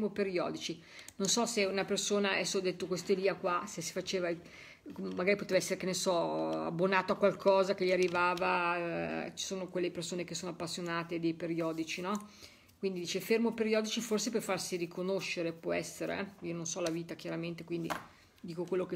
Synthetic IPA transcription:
mopeɾjɔ̰ːd̪it͡ʃi | nonsɔseunapersoːnaɛsːod̪et̪ːokwest̪oeliːakwasesi̥fat͡ʃeːva | maɡaːɾipot̪evaɛsːeɾekenesɔa̰bːonaːt̪oakːwalkʰɔːzak̟eʎːiarːivaːva | t͡ʃi̥soːnokwelːepersoːnekesoːnoapːasːjonaːt̪ed̪ejpeɾiɔːd̪it͡ʃinɔ | kwind̪id̪iːt͡ʃefermopeɾjɔːd̪it͡ʃiforsepefarsirikʰonoʃeɾepwɔɛsːeɾḛiononsɔlaviːt̪akjaɾament̪ekwind̪ḭ | d̪iːkokwelːoke

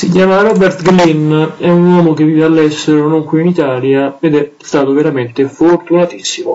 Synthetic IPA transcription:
sicjaːmaɾɔbɛrt̪ɡlinɛunwɔmok̟evːiːvealːɛsːeɾonoŋkwiːnit̪aːljaed̪ɛst̪aːt̪oveɾament̪efort̪unat̪isːimo

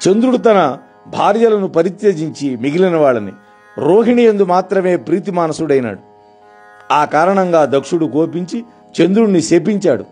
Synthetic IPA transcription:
t͡ʃe̞nd̪ɾuɽut̪̬ɐnɐ | bʱaːɾjɐlɐnupɐɾit̪jeːd͡ʒiɲt͡ʃimiɡilinɐʋaːɭːɐnḭ | ɾoːɦiɳijend̪umaːt̪ɾɐme̞ːpɾiːt̪̬imaːnɐsuɽɐjna̰ːɽu | aːkaːɾɐɳɐŋɡaːd̪ɐkʂuɽukoːpiɲt͡ʃi | t͡ʃe̞nd̪ɾuɽniseːpiɲt͡ʃaːɽṵ

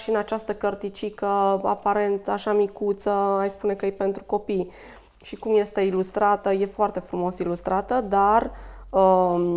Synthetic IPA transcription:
ʃinat͡ʃast̪əkərt̪it͡ʃikəa̰paɾe̞nt̪aʃamikut̪səajspune̞kəjejpent̪ɾuko̞pij | ʃikumje̞st̪e̞ilust̪ɾat̪əje̞foart̪efɾumo̞silust̪ɾat̪əd̪arə

